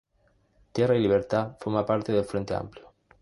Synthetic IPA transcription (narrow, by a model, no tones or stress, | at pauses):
t̪jerailiβ̞eɾt̪afoɾmapaɾt̪eðelfɾent̪ea̰mpljo